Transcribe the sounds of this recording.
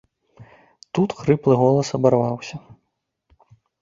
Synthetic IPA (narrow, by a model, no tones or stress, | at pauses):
t̪ut̪xɾɨplˠɨɣɔlˠɐsɐbarvawsʲɐ